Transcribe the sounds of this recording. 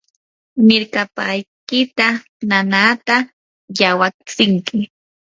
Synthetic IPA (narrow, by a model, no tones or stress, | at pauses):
mɪɾkapajkɪt̪a | nanat̪a | jawat͡sɪŋkɪ